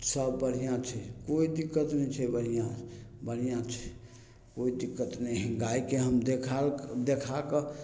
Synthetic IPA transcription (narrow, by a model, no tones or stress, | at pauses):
səbːəɽ̤ijãt͡ʃʰɛkoid̪ikːət̪nɛt͡ʃʰɛbəɽ̤ijãbəɽ̤ijãt͡ʃʰɛ̥ | koid̪ikːət̪nɛɡaikeɦəmd̪ekʰald̪ekʰakə